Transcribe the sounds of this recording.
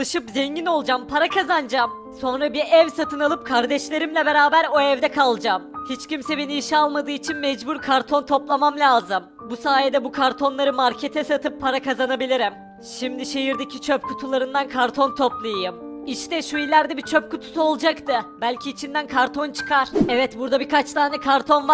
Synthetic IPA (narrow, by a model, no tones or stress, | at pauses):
ɯʃɯpzɛɲɟino̞lˠd͡ʒampʰaɾakʰazand͡ʒam | so̞nɾabiɾɛvsat̪ʰɯnalˠɯp̚kʰaɾd̪ɛʃlʲe̞ɾimlʲɛbe̞ɾaːbæɾo̞ɛvd̪ɛkʰalˠd͡ʒamhit͡ʃcimsɛbe̞niiʃialˠmad̪ɯːit͡ʃʰinmɛd͡ʒbuɾkʰaɾt̪ʰo̞nt̪ʰo̞plˠamamlʲaːzɯm | busaːjed̪ɛbukʰaɾt̪ʰo̞nlˠaɾɯmaɾcʰe̞t̪ʰɛsat̪ʰɯpʰːaɾakazanabilʲiɾim | ʃimd̪iʃe̞jiɾd̪ecʰit͡ʃʰøpkʰut̪ʰulˠaɾɯnd̪ankʰaɾt̪ʰo̞nt̪ʰo̞plˠɯjjɯmiʃt̪ʰɛʃuilʲːæɾd̪ɛbit͡ʃʰøp̚kut̪ʰu̥suolˠd͡ʒakt̪ʰɯbælʲcʰiːt͡ʃʰind̪ænkʰaɾt̪ʰo̞nt͡ʃʰɯ̥kʰaɾ̥ɛvɛt̪buɾd̪abikʰat͡ʃt̪ʰaːnɛkʰaɾt̪ʰo̞nva